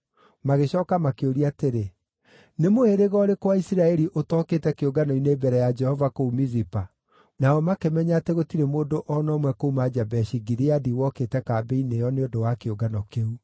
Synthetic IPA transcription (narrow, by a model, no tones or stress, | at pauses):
maɣeɕɔːkamakeoɾiateɾe | nemoeɾeɣɔɾekwaisiɾaɛɾiʔotɔketɛkeoɡanɔinebɛɾɛjad͡ʒɛhɔvakoumizipa | naɔmakemɛɲateɣotiɾemoːdoʔɔnɔmwɛkoumad͡ʒabɛʃiɡiɾeadiwɔketɛkaːbeinejɔneodowakeoɡanɔkeu